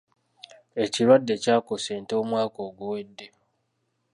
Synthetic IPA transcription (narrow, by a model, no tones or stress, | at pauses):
e̞ciɾwadːe̞caːko̞seːnto̞ːmwaːko̞ːɡuwe̞dːe̞